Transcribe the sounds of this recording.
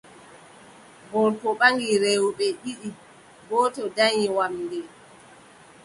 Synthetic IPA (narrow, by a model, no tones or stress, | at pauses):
bɔɾpɔɓaŋɡiɾewuɓɛɓiɗi | bɔːtɔdajiwamdɛ